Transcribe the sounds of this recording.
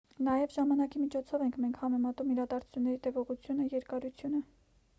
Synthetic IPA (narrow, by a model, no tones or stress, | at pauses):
nɑjɛvʒɑmɑnɑkimit͡ʃʰɔt͡sʰɔvɛŋkʰmɛŋkʰhɑmɛmɑt̪umiɾɑd̪ɑɾt͡sʰu̥t͡sʰunːɛɾit̪ɛvɔʁut͡sʰjunəjɛɾkɑɾut͡sʰjunə